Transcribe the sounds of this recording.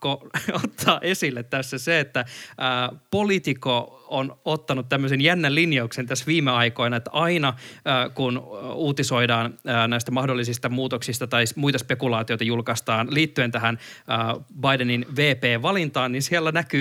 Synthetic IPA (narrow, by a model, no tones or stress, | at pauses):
koot̪ʰːɑːʔe̞silːet̪tæsːæseet̪ːæː | polit̪ikoonot̪ːɑnut̪t̪ːæmːøsenjænːælinjɑuksent̪æsʋiːmeɑiko̞inɑet̪ːɑinɑəːkunuːt̪iso̞idɑːnəːnæist̪æmɑhdolːisist̪ɑmuːt̪oksist̪ɑt̪ɑismuit̪ɑspekulɑːt̪iojt̪ɑjulkɑst̪ɑːnliːt̪ːyent̪æɦænəːbɑjdeninʋeːpeːʋʋɑlint̪ɑːnninsiælːænæky